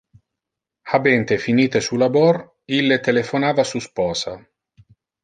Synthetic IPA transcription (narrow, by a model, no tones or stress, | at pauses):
habɛnt̪efiniːt̪esulabɔɾ | ilːet̪elefonaːvasuspɔːsa